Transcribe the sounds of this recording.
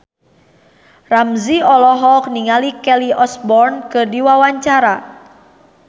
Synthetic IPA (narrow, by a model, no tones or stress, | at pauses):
ramziɔlɔɦɔk̚niŋalikɛliʔɔsbɔrnkɨrdiwawaɲt͡ʃaɾa